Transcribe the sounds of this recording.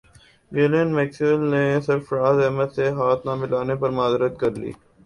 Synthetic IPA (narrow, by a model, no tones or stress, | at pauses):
ʋeːlẽnmɛːksɪʋəlnesɪɾfɾaːzɛɦmət̪seɦaːt̪nãmɪlaːnepɐɾmaːzɾət̪kɐɾlḭː